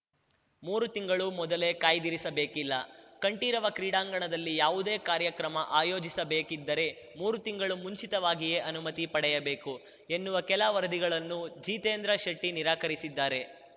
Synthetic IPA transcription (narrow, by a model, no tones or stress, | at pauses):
muːɾut̪iŋɡɐɭumɔd̪ɐle̞kaːjd̪iɾisɐbe̞ːkilːɐkɐɳʈiːɾɐʋɐkɾiːɽaːŋɡɐɳɐd̪ɐlːijaːʋud̪e̞ːkaːɾjɐkɾɐmɐʔaːjo̞ːd͡ʒisɐbe̞ːkid̪ːɐɾe̞ | muːɾut̪iŋɡɐɭumuɲt͡ʃit̪ɐʋaːɡije̞ːʔɐnumɐt̪ipɐɽɛjɐbe̞ːku | enːuʋɐkɛlaʋɐɾɐd̪iɡɐɭɐnːud͡ʒiːt̪eːnd̪ɾɐʃɐʈːiniɾaːkɐɾisid̪ːaːɾe̞